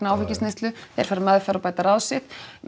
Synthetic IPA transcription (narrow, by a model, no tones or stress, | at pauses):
naːwfɪcɪstnest̪lʏθejɾ̥faɾamaðʏfɛaɾɔpajt̪aɾaːwsɪt̪